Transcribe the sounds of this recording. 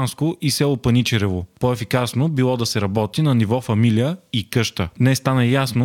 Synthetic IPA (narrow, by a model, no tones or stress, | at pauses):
nskoʔisɛlˠopɐnit͡ʃɛɾɛvopoɛfikasnobilˠɔd̪ɐsɛɾɐbɔt̪inɐnivɔfɐmilijəikɤʃt̪ənɛst̪anɐjasno